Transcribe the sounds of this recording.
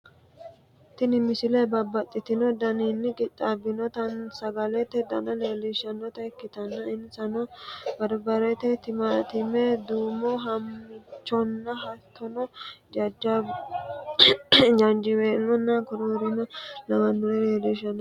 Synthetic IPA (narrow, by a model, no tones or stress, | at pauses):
t̪ːɪnɪmɪsɪlɛbɐbɐt̪ʼːɪt̪ɪnɔd̪ɐniːnːɪkʼɪt͡ʃʼːabɪnɔt̪ɐnsɐɡɐlɛt̪ːɛd̪ɐnɐleːlɪʃɐnːɔt̪ɐɛkːɪt̪ɐnːɐɪnːsɐnɔbɐɾbɐɾɛt̪ːɛt̪ɪmaːt̪ɪmɛd̪uːmɔɦɐmːɪt͡ʃːɔnːɐɦɐt̪ʰːɔnɔd͡ʒɐd͡ʒːa | d͡ʒɐnd͡ʒɪweːnːɔnːɐkʊɾoːɾɪnɐlɐmɐnːɔlɛleːliʃɐnɔ